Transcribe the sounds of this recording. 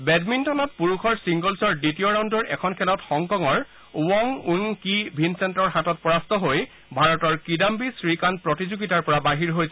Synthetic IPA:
bɛdmintɔnɔt̚puɹukʰɔɹsiŋɡɔlsɔɹditiɔɹaw̃ndɔɹɛkʰɔnkʰɛlɔtxɔŋkɔŋɔɹ | uwɔŋuŋkibʱinsɛntɔɹhatɔt̚pɔɹastɔɦoj | bʱaɹɔtɔɹkidambisɹikanpɹɔtizuɡitaɹpɔɹabaɦiɹɦojsɛ

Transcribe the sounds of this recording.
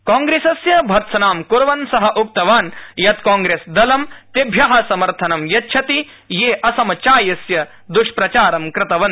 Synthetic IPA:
kaːŋɡɾeːsɐsjɐbʱɐɾt̪sɐnaːmkuɾʋɐnsɐɦɐʔuk̚t̪ɐʋaːnjɐt̪kaːŋɡɾeːsd̪ɐlɐmt̪ebʱjɐɦɐsɐmɐɾt̪ʰɐnɐmjɐtːʃʰɐt̪i | jeːʔɐsɐmɐt͡ʃaːjɐsjɐ | d̪uʃpɾɐt͡ʃaːɾɐmkɾɪt̪ɐʋɐn

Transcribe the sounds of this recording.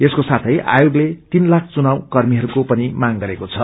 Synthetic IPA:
eskosat̪ʰʌjʔa̰joɡlet̪inlak̚ʰt͡sunawkʌrmiɦʌɾukopʌnimaŋɡʌɾekot͡sʰʌ

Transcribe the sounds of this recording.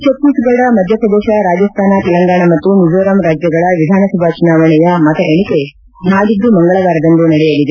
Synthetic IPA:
t͡ʃɐt̪ːisuɡɐɭɽɐmɐd̪ʱjɐpɐd̪ɛːʃɐɾaːd͡ʒɐst̪ʰaːnɐt̪ɛlɐŋɡaːɳɐmɐt̪ːunid͡ʒʋɐɾɐmɾaːd͡ʒjɐɡɐɭɐʋid̪ʱaːnɐsɐbʱat͡ʃunaːʋɐɳɐjɐmɐt̪ɐʔeɳ̃ike | naːd̪id̪umɐŋɡɐɭɐʋaːɾɐd̪ɐnd̪unɐɽɛjɐlːid̪e

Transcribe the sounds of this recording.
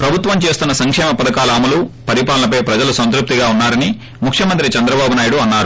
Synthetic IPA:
pɾɐbʱut̪ʋɐmt͡ʃe̞ːst̪unːɐsɐŋkʂɛːmɐpɐd̪ɐkaːlɐːmulupɐɾipaːlɐnɐpɐjpɾɐd͡ʒɐlusɐnt̪ɾup̚t̪iɡaːunːaːɾɐni | mukʰʂjɐmɐnt̪ɾit͡ʃɐnd̪ɾɐbaːbunaːjuɽuɐnːaːɾu

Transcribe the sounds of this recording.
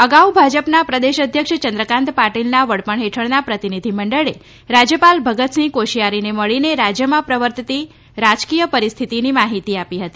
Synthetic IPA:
əɡaubʱad͡ʒəpnapɾəd̪eʃəd̪ʱjəkʂt͡ʃənd̪ɾəkãnt̪paʈilnaʋəɽpəɳɦeʈʰəɭnapɾət̪inid̪ʱiməɳɖəɭe | ɾad͡ʒjəpalbʱəɡət̪snikoʃijaɾineməɭineɾad͡ʒjəmãpɾəʋəɾt̪t̪i | ɾad͡ʒkijəpəɾist̪ʰit̪inimaɦit̪iapiɦət̪i

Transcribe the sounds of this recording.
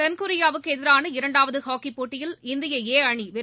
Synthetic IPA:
ɛnkʊɾɪjaːʋɯkːɯɛðɪɾaːnɐɪɾɐɳɖaːʋɐðɯhaːkipːoːʈːɪjɪlɪnd̪ɪjɐeːɐɳiʋɛ

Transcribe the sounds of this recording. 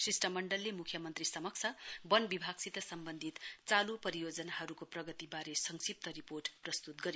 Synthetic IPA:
sisʈʌmʌɳɖʌlːemukʰjʌmʌnt̪risʌmʌk̚t͡sʰʌbʌnbibʱaɡsit̪ʌsʌmbʌnd̪ʱit̪t͡salupʌɾijod͡zʌnaɦʌɾukoprʌɡʌt̪ibaɾesʌŋsip̚t̪ʌɾiporʈprʌst̪ut̪̚ɡʌɾj

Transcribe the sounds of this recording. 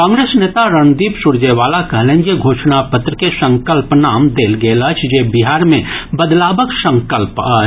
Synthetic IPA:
kãːŋɡɾeːsneːt̪aɾənd̪iːpsʊɾd͡ʒeʋaːlakɐɦlẽːnjeɡʱoːʃnapət̪ɾəkesə̃ŋkəlpnaːmd̪eːlɡeːlət͡ʃʰd͡ʒebiɦaːɾmẽbəd̪laːbəksə̃ŋkəlpəːt͡ʃ

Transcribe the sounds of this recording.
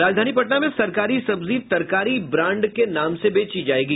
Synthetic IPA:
ɾaːd͡ʒd̪ʱaːnipɐʈnamẽsɐɾkaːɾisɐbziːt̪ɐɾkaːɾibɾãːɳɖkenaːmsebeːt͡ʃid͡ʒaːeːɡiː

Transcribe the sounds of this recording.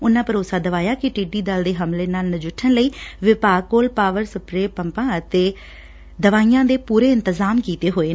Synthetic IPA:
ʊnːãːpəɾʊːsaːd̪əʋaːjaːkɪʈiːɖiːd̪əld̪eːɦəmleːnaːlnəd͡ʒʊʈʰːənləiːʋɪpaːɡ̚kːoːlpaːʋəɾsəpɾeːpəmpãːət̪eː | d̪əʋaːijãːd̪eːpuːɾeːɪnt̪əzaːmkiːt̪eːɦoːeː

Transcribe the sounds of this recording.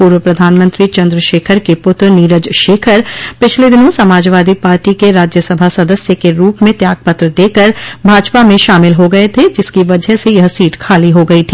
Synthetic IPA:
puːɾwəpɾɐd̪ʱaːnmə̃nt̪ɾit͡ʃɐ̃nd̪ɾəʃeːkʰəɾkepʊt̪ɾniːɾəd͡ʒʃeːkʰəɾpɪt͡ʃʰled̪ɪnõsɐmaːd͡ʒʋaːd̪ipaːɾʈikeɾaːd͡ʒjəsɐbʱasɐd̪əsjəkeɾuːpmẽt̪jaːɡ̚pɐt̪ɾəd̪eːkəɾbʱaːd͡ʒpamẽʃaːmɪlɦoɡɐet̪ʰed͡ʒɪskiʋɐd͡ʒəɦsejɐɦsiːʈkʰaːliɦoɡɐit̪ʰiː

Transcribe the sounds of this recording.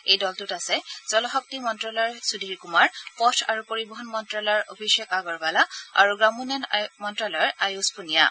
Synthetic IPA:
ejdɔltutasɛz̥ɔlɔɦɔk̚timɔntɹɔlɔɔɹsudʱiɹkumaɹpɔtʰa̰ɹupoɹibɔɦɔnmɔntɹɔlɔɹo̰bʱiʃɔkaɡɔɹɡalaa̰ɹuɡɹamunɔnmɔntɹɔlɔjɹajuspunija̰

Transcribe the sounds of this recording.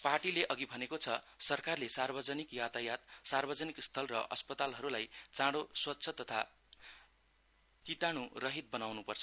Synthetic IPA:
paʈileʔʌɡibʱʌnekot͡sʰʌ | sʌrkarlesarbʌd͡zʌnikjat̪ajat̪sarbʌd͡zʌnikst̪ʰʌlrʌʔʌ̰spʌt̪alɦʌɾulajt͡sãɽoswʌtːsʰʌt̪ʌt̪ʰa | kit̪añurʌɦit̪̚bʌnawnupʌrt͡sʰʌ

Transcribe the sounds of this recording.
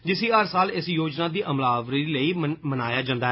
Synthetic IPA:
d͡ʒɪsiːɦəɾsaːlɪsjoːd͡ʒnaːd̪iːʔəmlaːʋɾiːləiːmənaːjaːd͡ʒãːnd̪aːɛ

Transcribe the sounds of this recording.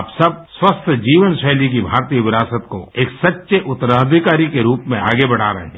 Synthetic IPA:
aːpsɐb̚swəst̪ʰəd͡ʒiːʋənʃɛːlik̬ibʱaːɾt̪ijəʋɪɾaːsət̪ko̰eːksɐtːʃeʔʊt̪ɾaːd̪ʱikaːɾikeɾuːpmẽa̰ːɡebɐɽ̤a̰ːɾɐɦẽ

